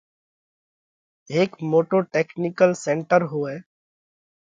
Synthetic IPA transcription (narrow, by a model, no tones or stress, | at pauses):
eːkmoːʈoʈeːknɪkəlsẽɳʈəɾɦoːɛː